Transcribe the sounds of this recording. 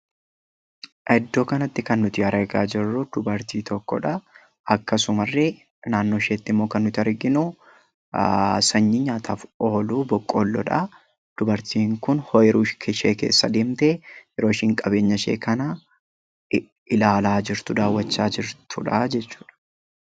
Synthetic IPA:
ʔɛd̪ːo̞ːkɐnɐt̪ːɪkɐnːʊt̪ɪɐɾɐɡaːd͡ʒɪrːʊd̪̥ʊbɐɾt̪iːt̪ʰɔkːɔ̰ᶑɐ | ʔɐkːɐsʊmɐrːɛ | naːnːo̞ːʃeːt̪ːɪmːoːkɐnːʊt̪ɪɐɾɡɪnʊ | sɐɲːiɲːaːt̪ʰaːfoːluːbɔkʼːoːlːɔ̰ᶑɐ | d̪̥ʊbɐɾt̪iːŋkʊnhɔjɛɾuːʃkʰɛʃḛːkeːsːɐd̪eːmt̪eːjɛɾo̞ːʃɪŋkʼɐbe̞ːɲːɐʃḛːkɐnɐ | ʔɪlaːlaːd͡ʒɪɾt̪ʊd̪aːwːɐt͡ʃːaːd͡ʒɪɾt̪ʰʊᶑɐd͡ʒɛt͡ʃːu̥ːᶑɐ̥

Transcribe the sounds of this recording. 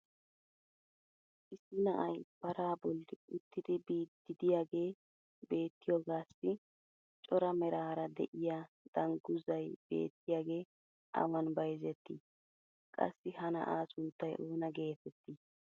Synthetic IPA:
ʔɪsːɪnɐʔɐjb̥ɐɾaːbɔlːɪʊt̪ːɪd̪ɪbiːd̪ːɪd̪ɪjaːɡe̞ː | be̞ːt̪ːɪjɔɡaːsːɪ | t͡ʃʼɔɾɐmɛɾaːɾɐd̪ɛ̰ʔɪjaː | d̪̥ɐŋɡʊzɐjb̥e̞̰ːt̪ːɪjaːɡe̞ː | ʔɐ̰wɐnbɐjzɛt̪ːḭ | kʼɐ̰sːɪhɐnɐ̰ʔaːsʊnt̪ːɐjʔoːnɐɡe̞ːt̪ɛt̪ːi

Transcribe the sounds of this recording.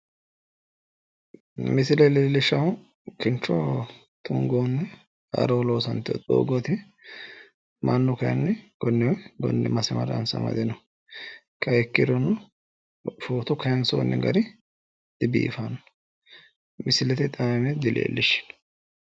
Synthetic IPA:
mɪsɪlɛleːlːɪʃɐw | kɪnt͡ʃːɔ | t̪ʰʊŋɡoːnːɛ | ɐ̰ɾoːloːsɐnt̪ɪɔ̰t̪ʼo̰ːɡot̪ɪ | mʔɐnːɔkɐjɐ̰nːɛɡ̥ɔnːɛwɔɡɔ̰nːɛ̰mɐsɪmɐ̰ɾɐ̰nsɐ̰mɐ̰d̪ɛnɔ | kʰɐɛkːɪɾɔnːʊ | foːt̪ɔkɐjɐnsoːnːɛɡɐɾɪ | d̪̥ɪbḭːfanɔ | mɪsɪlɛt̪ɪt̪ʼamɛd̪ɪlḛːlːɪʃɪ̥n

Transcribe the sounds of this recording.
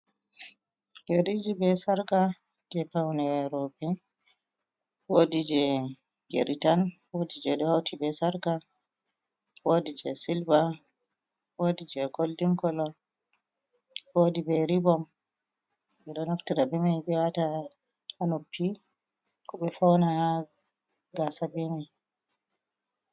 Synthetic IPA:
jeɾid͡ʒibɛsaɾka | d͡ʒɛpawnɛɾɔbɛ | wodid͡ʒɛ | ɡḛɾitanwodid͡ʒɛɗɛhawtʰibɛsaɾka | wodid͡ʒɛ̰silba | wodid͡ʒɛkoldiŋkɔlɔ | wodibɛɾibɔm | ɓɛɗɔnaftiɾabɛmajbɛwata | anopʰːi | kɔɓɛfawna | ɡasabɛmɛ

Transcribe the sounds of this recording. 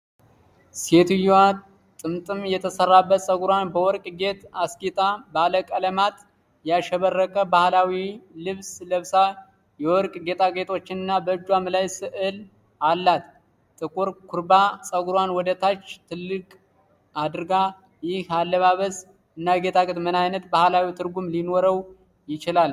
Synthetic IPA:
se̞t̪ʰujwa | t̪ʼɨmt̪ʼɨmjɛt̪ʰəsərːabːət̪sʼəɡuɾwanbəwɔɾkʼɡe̞t̪askʼit̪ʼabaləkʼələmat̪ | jaʃɛβərːəkʼəbahlawilɨβsləβsa | jɛwɔɾkʼɡe̞t̪ʰʼaɡe̞t̪ʰʼo̞t͡ʃːɪnɨnːabəd͡ʒwamɨlajsɨʔɨl | alːat̪ | t̪ʼɨkʼuɾkʷʰuɾbasʼəɡuɾwanwɔd̪ət̪ʰat͡ʃːt̪ʰɨlːɨkʼ | ad̪ɨɾɡa | jɪhalːəβaβəs | ɨnːaɡe̞t̪ʰakʼɨt̪mɨnajnət̪bahlawit̪ʰɨɾɡumlinoɾəw | jɪt͡ʃɪlal

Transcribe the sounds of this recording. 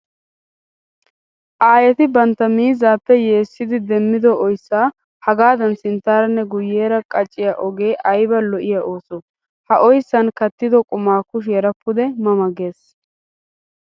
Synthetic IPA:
ʔaːjɛt̪ɪbɐnt̪ːɐmiːzaːpːɛje̞ːsːɪd̪ɪd̪ɛmːɪd̪ɔɔjsːaː | hɐɡaːd̪ɐnsɪnt̪ːaːɾɐnːɛɡʊjːeːɾɐkʼɐt͡ʃʼːɪjaʔɔɡe̞ːʔɐjbɐlɔʔɪjaʔo̞ːsɔ | hɐʔɔjsːɐnkɐt̪ːɪd̪ɔkʼʊmaːkʊʃ̬jɛɾɐpːʊd̪ɛmɐmɐɡeːs

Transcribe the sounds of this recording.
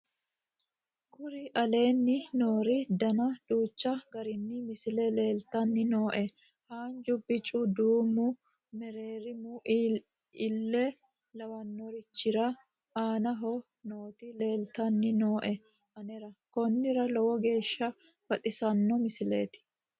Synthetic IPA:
kʊɾɪʔɐle̞ːnːɪnoːɾɪd̪ɐnɐd̪̥uːt͡ʃːɐɡɐɾɪnːɪmɪsɪlɛle̞ːlt̪ɐnːɪno̞ːʔɛ | haːnd͡ʒʊbːɪt͡ʃʼʊd̪uːmːʊ | mɛɾe̞ːɾɪmuʔ | ɪlːɛ | lɐwɐnːɔɾɪt͡ʃːɪɾɐ | aːnɐɦɔ | no̞ːt̪ɪle̞ːlt̪ɐnːɪno̞ːʔɛ | ɐnɛɾɐkɔnːɪɾɐlɔwɔɡe̞ːʃːɐ | fɐt̪ʼɪsɐnːɔmɪsɪlḛːt̪ɪ̥

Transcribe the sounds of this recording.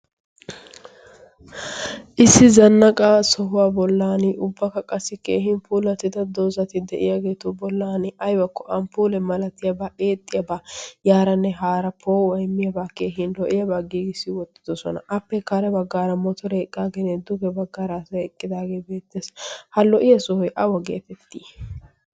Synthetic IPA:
ʔɪsːɪzɐnːɐkʼaːsɔɦʊwaːbɔlːaːnɪʔʊbːɐkɐkʼɐsːɪke̞̰ːɦɪnpʰuːlɐt̪ːɪd̪ɐd̪oːzɐt̪ɪd̪ɛ̰ʔɪjaɡe̞ːt̪ʊbɔlːaːnɪʔɐjbɐkːɔʔɐmpuːlɛmɐlɐt̪ːɪjɐbaːʔe̞ːt̪ʼːɪjɐbaːjaːɾɐnːɛɦaːɾɐpʰoːwɐjmːɪjɐbaːke̞ːɦɪnlɔʔɪjɐbaːɡiːɡɪsːɪwɔt̪ːɪ̥d̪ɔsɔ̰nɐ̰ʔɐpːɛkːaːɾɛbɐɡːaːɾɐmɔt̪ɔɾɛɛkʼːaːɡeːnɛd̪ʊɡɛbɐɡːaːɾasɐɛkʼːɪd̪aːɡeːbe̞ːt̪ːeːshɐlɔʔɪjɐsɔhɔjʔɐwɐɡḛːt̪ɛt̪ːiː

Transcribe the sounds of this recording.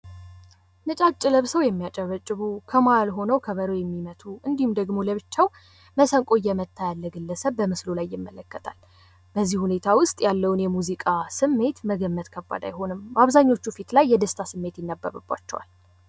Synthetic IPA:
nɨt͡ʃʼat͡ʃʼːɪləβsəwjɛmːijat͡ʃʼəβət͡ʃʼːɨβukʰəmajalɦo̞nəwkʰəβəɾəwjɛmːimət̪ʰuʔɨnd̪ihumd̪əɡmo̞ləβɨt͡ʃːaw | məsəŋkʼo̞jːɛmət̪ʰːajalːəɡɨlːəsəβːəmɨslulajːɪmːələkːət̪ʰa̰l | b̥əzːihune̞t̪ʰawʊst̪ʼjalːəwʊnjɛmuzikʼasɨmːe̞t̪məɡəmːət̪ʼkʰəbːa̰d̪a̰jɦo̞nɨmbəaβzaɲːo̞t͡ʃːufit̪lajːɛd̪əst̪ʰasɨmːe̞t̪jɪnːəbːə̰βɨ̰bːa̰t͡ʃːɛwa̰l

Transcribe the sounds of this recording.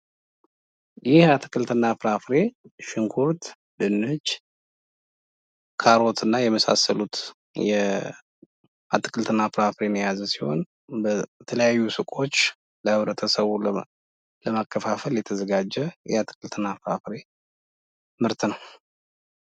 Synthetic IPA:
jɪhat̪ʰɨ̥kʼɨlt̪ʰɨnːafɨɾafɾe̞ʃɨŋkʰuɾt̪ | d̪ɨnːɨd͡ʒ | kʰaɾo̞t̪ʰɨnːajɛməsa̰səlut̪ | jɛ | at̪ʼːɨ̥kʼʰɨlt̪ʰɨnːafɾafɾe̞njazəsiho̞̰n | bət̪ʰələjajːusɨkʼo̞t͡ʃː | ləhɨβɾət̪ʰəsəβu | ləmakʰːəfafəljɛt̪ʰəzəɡad͡ʒːɛjɛat̪ʰɨ̥kʼɨlt̪ʰɨnːafɾafɾe̞ | mɨɾt̪ʰɨnəw

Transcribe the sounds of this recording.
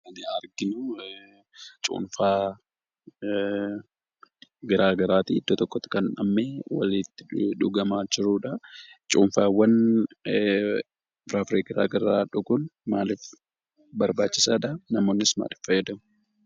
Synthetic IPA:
ɐnɪɐɾɡɪnʊ | t͡ʃʼṵːnfaː | ɡɐɾaːɡɐɾaːt̪iɪd̪ːɔt̪ɔkːɔt̪ɪ̥kɐnᶑɐ̰mːeːwɐ̰lɪt̪ːɪ̥ᶑʊɡɐmaːd͡ʒɪɾuːᶑɐt͡ʃʼuːnfaːwːɐn | bɾaːfɾeːɡɐɾa̰ːɡɐɾaːᶑʊɡʊnmaːlɪf | bɐɾbaːt͡ʃːɪsaːᶑɐnɐmo̞ːnːɪsma̰ːlɪ̥fːɐjɛd̪ɐm

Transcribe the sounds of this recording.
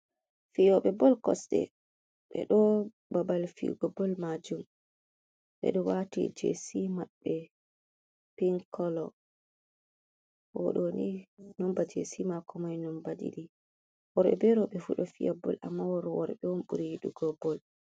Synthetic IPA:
fijɔɓɛbɔlkɔsɗɛ̰ | ɓɛ̰ɗɔ | babalfḭɡɔbɔlmad͡ʒum | ɓɛ̰ɗɔwatḭd͡ʒḛsimaɓːɛ | piŋkɔlɔ | wɔ̰ɗoninɔmbad͡ʒesimakɔmajnɔmbadḭɗi | wɔɾɓɛ̰bɛɾɔɓɛfuɗɔfijabɔ̰la̰mːawɔɾɔwɔɾɓɛwɔnɓuɾijiɗuɡɔbɔl

